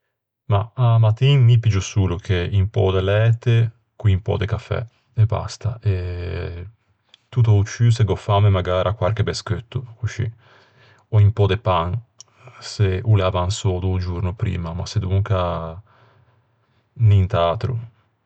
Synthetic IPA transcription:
maamat̪inmipid͡ʒusuːlukʰeimpɔ̰d̪elɛːt̪e | kwiimpɔ̰d̪ekafɛ̰ | eba̰st̪aʔe | t̪ut̪̬out͡ʃːyseɡɔfamemaɡaːɾʔakwaɾk̟ebeskøt̪ːukut͡ʃḭ | ɔimpɔd̪epaŋ | seuleavansɔd̪ud͡ʒuɾnupɾḭːmama̰sed̪uŋka | nint̪aːt̪ɾṵ

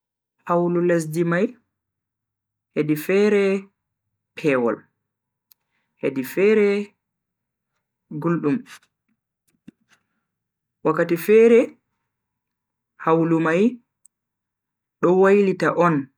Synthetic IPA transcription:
hawlules̬dimaj | hedifɛɾɛ | pʰɛwɔ̰l | hedifɛɾɛ | ɡulɗum | wakːatifɛɾɛ | hawlumaj | ɗɔwajlitaʔɔn

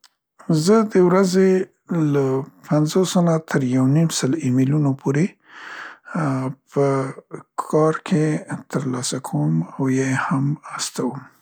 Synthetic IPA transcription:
zəd̪əwɾaze | lapanzosonat̪ʰəɾjawnimsəlimilunopʰoɾe | pəkʰɑɾkʰet̪əɾlɑsakʰawəmawjejhamast̪awəm

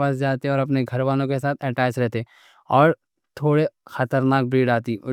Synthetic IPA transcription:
asd͡ʒaːt̪iɔːɾɐp̬neɡʱɐɾʋaːlõkesaːt̪ʰɛːʈaːt͡ʃɾɛɦt̪e | ɔːɾ | t̪ʰoːɽexɐt̪əɾnaːk̚bɾiːɽaːt̪i

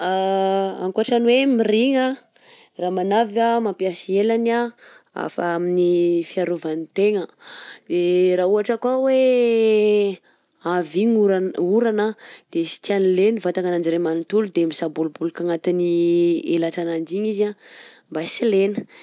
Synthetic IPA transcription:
aa̰ŋkuaʈ͡ʂanwemiɾiŋa | ramanavamampjasielana | a̰faaminifiaɾuvanit̪eŋəd̪̥erauɦaʈ͡ʂəkwawe | aviɲuɾuɾanad̪̥esi̥t̪ianilenivat̪aŋanand͡ʒiɾemanit̪ulud̪emisabulubulukaŋat̪iniḛlaʈ͡ʂanand͡ʒiɲiza | mbasilenə

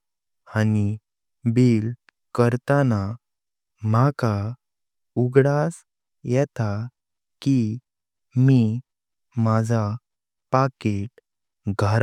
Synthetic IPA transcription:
ani | biːl | kəɾt̪ana | maka | uɡɽas | jɛt̪a | ki | mi | mad͡zʱa | pakeʈ̚ | ɡʱaɾ

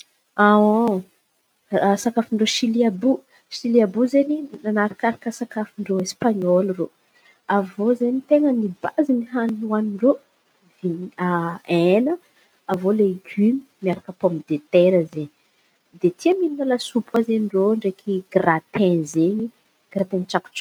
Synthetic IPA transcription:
ao | sakafiɳɖ͡ʐoʃiliabu | ʃiliabuzeninanaɾakaɾakəsakafiɳɖ͡ʐoespaɲɔlro | avozeɲit̪eŋənibaziniɦanuaniɳɖ͡ʐo | vinaenə | avoleɡymi̥miaɾakəpɔmd̪et̪eɾəzeɲi | d̪et̪ʰiəmininalasupwazeniroɳɖ͡ʐekʰiɡrat̪ẽnzeɲi | ɡ̥rat̪ẽnt͡ʃaku̥ʈ͡ʂḁ

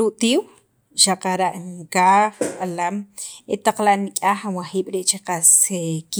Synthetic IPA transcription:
uʔt̪iːw | ʃaqaɾaʔŋkaːχɓalamet̪aq͡χlaʔnikʼaːχanwaχiːɓ̥ɾeʔt͡ʃeqasek

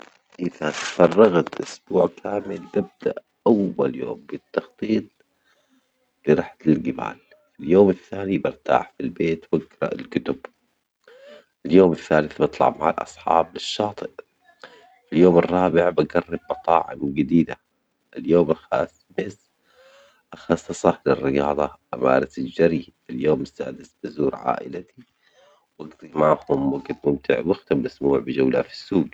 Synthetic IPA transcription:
ʔɪðafɑrˤːɑɣat̪ʔʊsb̥uːʕkʰaːmɪlbab̚d̪aʔ | ʔawːaljo̰ːmbɪt̪ːɑxt̪ˤiːt̪̚ˤ | lɪɾˤɑħḁt̪ɪlɡɪma̰ːl | fɪljoːmɪθːaːnibɪɾt̪a̰ːħfilbeːt̪baɡɾˤɑ̰ʔɪlkʊt̪ʊb̥ | ʔɪljoːmɪθːaːlɪθbɨt̪ˤlɑ̰ʕmaʕalʔɑ̰sˤħɑ̰ːblɪʃːɑːt̪ˤɨʔ | filjoːmɨrˤːɑːbɪʕbaɡɑrːɑb̚ːɑt̪ˤɑ̰ːʕɪ̰mɡɪd̪iːd̪a | ʔɪljoːmlxa̰ːs | mɪs | ʔɑxɑsˤːɑsˤɑlɪrːɪjɑːðˤɑʔama̰ːɾat̪ɪld͡ʒaɾiɪljoːmɪsːa̰ːd̪ɪsb̥azuːɾʕa̰ːʔɪ̰lat̪i | wʔaɡd̪ˤimaʕhʊmwaɡd̪mʊmt̪ɪ̰ʕwɪxt̪amːasmuːʕbɪd͡ʒawlafi̥sːuːɡ

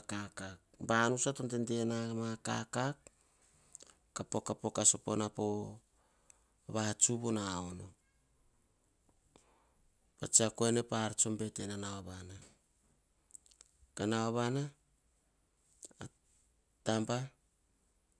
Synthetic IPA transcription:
kakakbanusatontendenamaka̰kak | apo̞kapo̞kaso̞po̞napo̞ | βaat͡ʃuβonaono̞ | pat͡ʃiakoene̞paɾt͡ʃo̞mbe̞te̞nanawaβana | kanawaβana | tampa

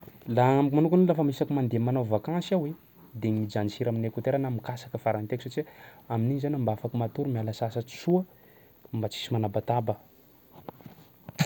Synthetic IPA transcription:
laamkumanukunilafəmisakumand̪emanavakãsawe | d̪emid͡ʒanisiɾaminekut̪eɾanamikasḁkəfaɾant̪eku̥sat͡ʃiamininizanambafakumat̪uɾumialəsasə̥t͡suə | mbat͡si̥simanabat̪abə

